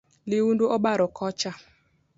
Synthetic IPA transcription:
lɪwundoʔɔɓaɾɔkʰɔt͡ʃa

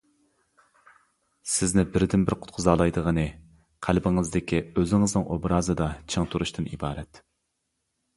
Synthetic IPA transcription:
sɪznɪbɪɾd̪ɪnbɪɾqʰʊ̥t̪̚qʰʊzɑːlˠɑjd̪əʁənɨ | qʰælbɪŋɨzd̪ɪkʲʰiøzɪŋɨznɨŋʔobɾɑːzɨd̪ɑt͡ʃʰəŋt̪ʰuɾuʃt̪ɨnḭbɑːɾɛt̪

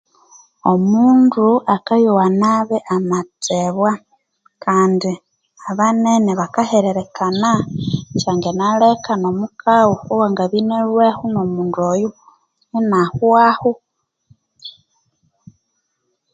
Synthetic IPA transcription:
omuːnduakajowanaβeʔamateβwa | kaːndi | aβaneneβakaheɾeɾekʰanat͡ʃaːŋɡenalekano̞mukʰawuowaŋɡaβineɾwehunomuːndoju | ninahwahu

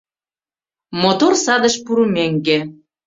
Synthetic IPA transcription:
mot̪orsɑd̪ə̆ʃpuɾumeŋɡĕ

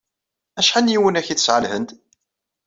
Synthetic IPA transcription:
æʃħanjiwənæçiθə̥sʕəlhənt̪

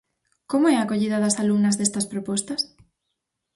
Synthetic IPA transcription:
komoɛakoʎiðɐðɐsalumnɐzðest̪ɐspɾopɔst̪ɐs

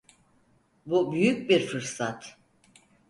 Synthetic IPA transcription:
bubyjyc̚biɾfɯɾsat̪

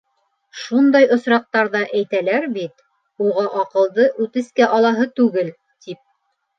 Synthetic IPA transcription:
ʃund̪ɑjŏsɾɑq̚t̪ɑɾðɑʔæjt̪ælæɾbit̪ | uʁɑʔɑqɤ̆lˠd̪ɤʔʉt̪ɘ̆skæʔɑlˠɑɦɤt̪ʉɡɘl | t̪ip̚

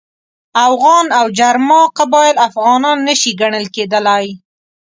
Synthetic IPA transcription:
afɣɑnawd͡ʒaɾmɑqabɑjɪlafɣɑnɑnːəʃiɡaɳəlked̪əlaj

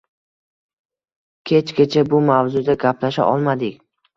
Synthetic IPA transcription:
kʲʰe̞t͡ʃkʲet͡ʃʰabʊmavzʊd̪aɡʲapʰlaʃa̰ʔɒlˠmad̪ɪkʲ

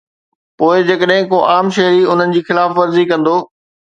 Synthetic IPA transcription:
poːɪd͡ʑɐkəɗɦɪ̃koʔaːmʃɐɦɾiʊn̤ənɪ̆d͡ʑiːxɪlaːfʋɐɾzikɐ̃nd̪oː

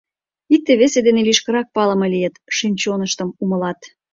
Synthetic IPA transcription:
ik̚t̪eβesed̪eneliʃkəɾɑk̚pɑlə̆melijət̪ʃinʲt͡ɕonəʃt̪əmuməlɑt̪

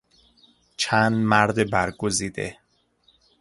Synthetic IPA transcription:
t͡ʃʰænd̪mæɾd̪ebæɾɡoziːd̪ḛ

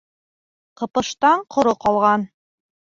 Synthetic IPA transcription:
qɤ̆pɤ̆ʃt̪ɑɴqʰŏɾoqɒlˠʁɑn

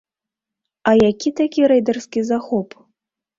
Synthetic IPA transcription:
ɐjakʲit̪akʲiɾɛjd̪ɐrskʲizaxɔp

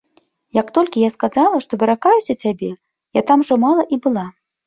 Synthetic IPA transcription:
jɐkt̪ɔlʲkʲijaskazalˠɐʂt̪ɔbʲɛɾakajusʲɐt͡sʲabʲɛ | jat̪amʐɔmalˠɐʔibɨlˠa

